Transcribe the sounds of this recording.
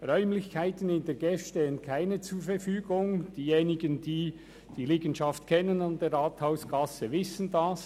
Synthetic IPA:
ʁœʏmlɪçkʰaɪtən̩ɪnd̥eɡɛfʃteːənkʰaɪnət͡suːfɛɾfyːɡʊŋd̥iːjeːnɪɡəndiː | d̥iːliːɡənʃɑftkʰɛnənandeːɾʁaːthaʊsɡɑsəvɪsən̩das

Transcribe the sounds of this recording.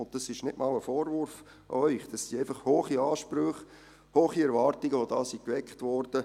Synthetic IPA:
ʊnt̚d̥ɑsɪʃnɪtmɑləfɔːɾvʊɾf | œʏχd̥ɑssiæɪfɑχhoːχiɑːʃpɾøχ | hoːχiɛɾʋɑːɾtiɡəʋodɑːsikʋɛkχtʋɔɾd̥ə

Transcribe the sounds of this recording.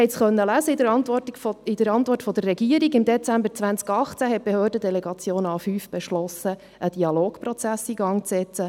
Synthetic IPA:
hɛɪtt͡sχœnːəlæzəɪdəɾɑnt̪ʋɔtfɪd̥̪əɾɑnt̪ʋɔrtfɔd̥̪ərːɛɡiəɾiɡɪmd̪ɛt͡sæmbəɾt͡sʋænt͡skɑχt͡sæɦɛt̚b̥ehøːrdədɛlɛɡɑt͡sjoːnɑːfyːfb̥ɛʃlɔsə | ʔəd̥iɑloːɡprɔt͡sæsiːɡɑŋt͡sɛt͡sə

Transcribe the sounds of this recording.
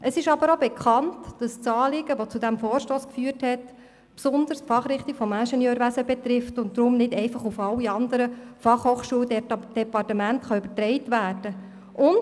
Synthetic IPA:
ʔəsɪʃɑbəɾobɛkʰχɑntd̥ɑst͡sɑːlɪɡəʋot͡sudæmfoːɾʃtoːskfyːəɾthɛt | psʊnd̪əɾspfɑχɾɪχtikfɔmæʃɛnjœːɾʋæsəbɛt̪rɪftʊntdɾʊmnɪdɛɪfɑχufɑlːiɑnd̪əɾəfɑχhoːχʃuːəld̥ɛpɑrtəmæntχɑʏbətɾɛɪtʋæːrd̥ə | ʔʊn

